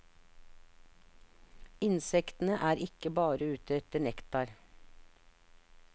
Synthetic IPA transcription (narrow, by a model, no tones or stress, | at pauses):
ɪnsɛkt̪n̩əʔæːɾɪkəbɑːɾəʉːt̪ɛt̪əɳɛkt̪ɑɾ